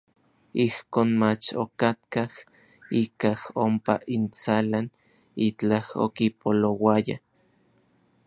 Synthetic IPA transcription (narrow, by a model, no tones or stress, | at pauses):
ihkoːnmat͡ʃo̰kat̪kah | ikahompa̰ʔint͡salan | it͡ɬaho̰kipolowaja̰